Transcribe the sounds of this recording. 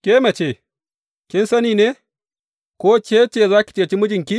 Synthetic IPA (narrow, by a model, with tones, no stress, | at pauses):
kʲeː˦mɐ˨t͡ʃeː˦˨ | kʲɪ˦nsɐ˦niː˨neː˦ | koː˦t͡ʃeː˦t͡ʃeː˦˨zaː˦kʲi̥˨t͡ʃeː˨t͡ʃi˦mʊ˦d͡ʒɪ˨ŋkʲi˦